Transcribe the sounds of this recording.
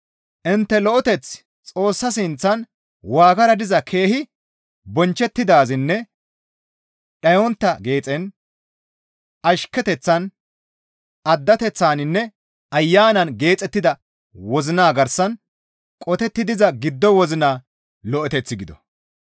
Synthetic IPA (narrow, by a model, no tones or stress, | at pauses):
ʔɪnt̪ːɛlɔʔɔt̪ɛt͡s | t͡sʼo̞ːsːɐs̬ɪnt͡sːɐn | waːɡɐɾɐd̪ɪzɐkʰe̞ːhɪ | bɔnt͡ʃːɛt̪ːɪd̪aːzɪnːɛ | ɗɐjɔnt̪ːɐɡe̞ːt͡sʼɛn | ɐʃkːɛt̪ɛt͡sːɐn | ɐd̪ːɐt̪ɛt͡sːaːnɪnːɛ | ɐjːaːnɐnɡe̞ːt͡sʼɛt̪ːɪd̪ɐ | wɔzɪnaːɡɐɾsɐn | kʼɔt̪ɛt̪ːɪd̪ɪzɐɡɪd̪ːɔwɔzɪnaː | lɔʔɔt̪ɛt͡sːɪɡɪd̪ɔ̰